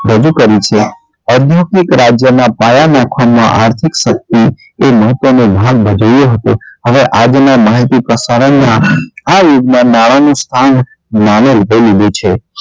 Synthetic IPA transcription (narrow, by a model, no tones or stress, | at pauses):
ɾəd͡ʒukəɾit͡ʃʰe | əd̪ʱjokikɾad͡ʒjənapajanãkʰamãʔaɾt̪ʰikʃək̚t̪i | eməɦət̪ʋənobʱaɡ̚bʱəd͡ʒəjoɦət̪oɦəʋeʔad͡ʒnamaɦit̪ipɾəsaɾənːaajuɖmãnaɭanũst̪ʰan | manəlb̪ʱəlid̪ũt͡ʃʰe